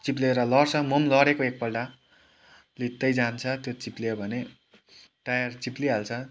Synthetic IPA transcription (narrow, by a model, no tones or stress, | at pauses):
t͡sip̬leɾʌlʌrt͡sʰʌmʌmlʌɾekoek̚pʌɖa | lit̪ːʌjd͡zant͡sʰʌt̪jot͡siplebʱʌne | ʈajʌrt͡sipliɦalt͡sʰʌ